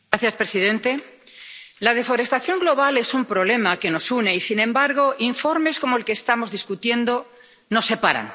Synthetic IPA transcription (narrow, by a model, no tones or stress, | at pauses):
ɾaθjaspɾe̞siðẽ̞nt̪e̞ | laðefo̞ɾe̞st̪aθjo̞ŋɡlo̞β̞ale̞sumpɾo̞β̞le̞make̞no̞sune̞isinẽ̞mbaɾɣ̞o̞ʔiɱfo̞ɾme̞sko̞moe̞lkeːst̪amo̞zðiskut̪je̞nd̪o̞ | no̞sːe̞paɾa̰n